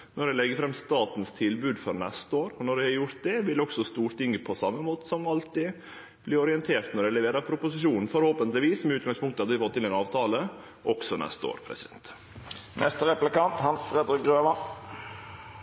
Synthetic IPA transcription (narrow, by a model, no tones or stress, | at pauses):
nɔɖɛlɛɡːəɾfɾɛmːst̪ɑːt̪n̩st̪ʰɪlbʉːd̪fɔɾnɛst̪əoːɾɔnɔɖɛhɑɾjʊɾt̪̚d̪ɛʋɪlɔksɔst̪uːɾt̪ɪŋːəpʰɔsɑmːəmoːt̪ə̥sɔmɑlt̪ɪ | b̥lɪːɾɔɾɪɛnt̪ʰeːɾt̪nɔɾɖɛlɛʋeːɾɑɾpʰɾʊpʊsɪʃuːnn̩fɔɾhoːpənt̪lɪʋiːsɔmɛʉːt̪̚ɡɑŋspʰʊŋkt̪əhɑd̪əʋɪfɔt̪ːɪnɛnɑːʋt̪ʰɑːlə | ʔɔksɔnɛ̰st̪əo̰ːɾpʰɾɛ̰sɪd̪ɛnt̪ | nʔɛst̪əɾɛplɪkɑnt̪hɑnsɾɛd̪ɾɪk̚ɡɾøːʋɑ